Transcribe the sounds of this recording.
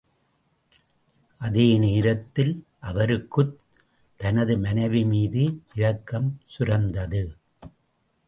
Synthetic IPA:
ʔɐðeːneːɾɐt̪ːɪlʔɐʋɐɾɯkːɯ | t̪ːɐnɐðɯmɐnɐɪʋimiːðɯʔɪɾɐkːɐmsʊɾɐnd̪ɐðɯ

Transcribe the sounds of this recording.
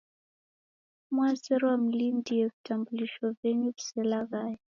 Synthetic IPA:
mwazɛɾɔwam̩lindijɛvitambuliʃɔvɛɲuvisɛlaɣajɛ

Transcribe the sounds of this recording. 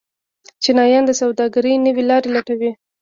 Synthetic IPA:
t͡ʃɪnɑjɑnd̪əsawd̪ɑɡaɾəjnəwelɑɾelaʈawi

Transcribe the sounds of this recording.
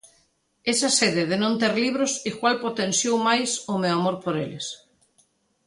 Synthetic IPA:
esaseðeðenõnt̪eɾliβ̞ɾosikwalpot̪ẽnsjowmajsomewamoɾpoɾeles

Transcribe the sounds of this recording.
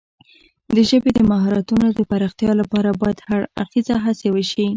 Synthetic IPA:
d̪əʒəbed̪əmaɦɑɾɑt̪unod̪əpaɾɑxt̪jɑlapɑɾabɑjad̪̥haɽa̰xt̪izaɦasewəʃi

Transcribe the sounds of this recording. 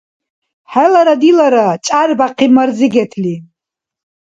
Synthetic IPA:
ħalaɾadilaɾat͡ʃʼarbaqʰimarzɨɡʲatʰli

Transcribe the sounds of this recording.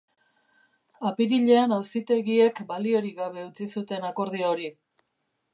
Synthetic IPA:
apiɾiʎe̞anawsit̪e̞ɣie̞kbalio̞ɾiɣaβ̞e̞ut͡sisut̪e̞nako̞ɾð̞ioɾi

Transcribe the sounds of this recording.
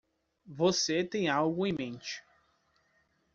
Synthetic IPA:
voset̪ẽj̃awɡʊẽmẽnt͡ʃɪ̥

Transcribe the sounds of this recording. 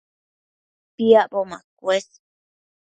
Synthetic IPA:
piaʔboma̰k̚wes

